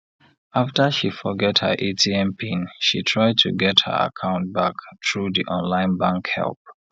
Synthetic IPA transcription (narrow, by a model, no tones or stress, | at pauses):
aftəʃifɔɡɛthə̰ʔetʰiɛ̃mpʰĩnʃitʰɹaɪd̚tʰuɡɛthə̰˞a̰kʰãʊ̃nt̚baktɹuðiʔɔ̃nlãɪ̃nbãŋkhɛ̰lˠp̚